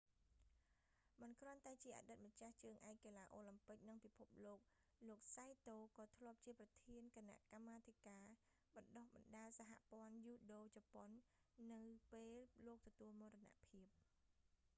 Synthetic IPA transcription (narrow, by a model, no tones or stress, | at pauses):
mɨnkrŏənt̪aɛt͡ɕiəʔa̰ːɗɨt̪̚mət͡ɕaht͡ɕəːŋʔaɛk̚keːlaːʔoːlampɨk̚nɨŋpipʰup̚loːk̚ | loːk̚sajt̪oːkɑːt̪ʰlŏəp̚t͡ɕiəprɑt̪ʰiənkana̰ʔkamːaːt̪ʰikaː | ɓɑnɗohɓɑnɗaːəlsaɦa̰ʔpŏənjuːɗoːt͡ɕɑponːɨwpeːlːoːk̚t̪ɔt̪uəlmoərɔna̰ʔpʰiəp̚